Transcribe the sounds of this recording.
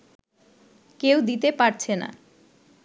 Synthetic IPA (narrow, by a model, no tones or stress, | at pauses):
kewd̪it̪epaɾt͡ɕʰena̰